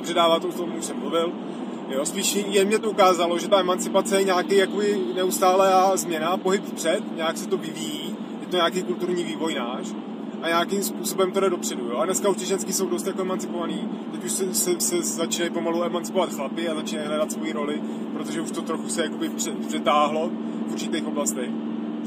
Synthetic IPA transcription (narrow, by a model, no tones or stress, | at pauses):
apr̥ɛdaːvaːt̪out̪ommuʃsɛmːluvɪl | jo̞spiːʃjɛmɲɛt̪oukaːzalo̞ʒɛt̪aʔɛmant͡sɪpat͡sɛjɛɲaːkɛjakobɪnɛust̪aːlɛazmɲɛnapo̞ɦɪpfpr̥ɛt̪ɲaːksɛt̪o̞vɪvijiː | jɛt̪oɲaːkejkult̪uɾɲiːviːvo̞jnaːʃ | ʔaɲaːkɪmspuːso̞bɛmt̪odɛdo̞pr̥ɛdujoadnɛskauʃt̪ɪʒɛnskɪso̞wdo̞st̪jakoɛmant͡sɪpo̞vaniː | t̪ɛcuʃsɛsɛsɛzat͡ʃɪnajpo̞maluɛmant͡sɪ̥po̞vat̪xlapɪazat͡ʃɪnajɦɾadat̪svo̞jiɾo̞lɪ | pɾot̪oʒɛuʃt̪o̞t̪ɾo̞xusɛjakobɪfpr̥ɛpr̥ɛt̪aːɦlo̞ | uɾt͡ʃɪt̪ejxo̞blast̪ɛx